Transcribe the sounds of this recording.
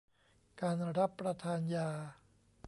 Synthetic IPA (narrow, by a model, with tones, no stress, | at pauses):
kaː˧nɾa˦˥pːɾa˧t̪ʰaː˧njaː˧